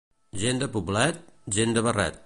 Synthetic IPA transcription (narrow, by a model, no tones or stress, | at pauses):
ʒend̪əpuβlat̪̚ʒend̪əβəra̰t̪̚